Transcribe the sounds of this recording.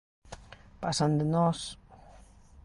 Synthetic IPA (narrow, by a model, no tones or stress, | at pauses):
pasand̪enɔs